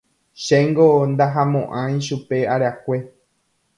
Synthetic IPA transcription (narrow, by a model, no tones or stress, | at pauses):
ʃeŋɡond̪aɦamõʔãj̃ʃupe̞aɾeakʷe